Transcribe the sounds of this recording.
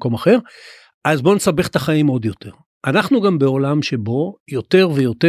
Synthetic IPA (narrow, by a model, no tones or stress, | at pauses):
ko̞maχe̞ʁ | azbo̞nesabeχtaχaimo̞d̪jo̞t̪e̞ʁ | ʔanaχnuɡambeo̞lamʃe̞bo̞jo̞t̪e̞ʁvejo̞te